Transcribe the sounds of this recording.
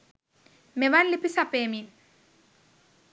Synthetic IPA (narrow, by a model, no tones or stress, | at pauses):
meʋaːnlipːisapeːmin